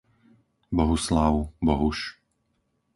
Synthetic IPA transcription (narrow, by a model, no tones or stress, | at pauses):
bɔɦuslaʊbɔɦuʃ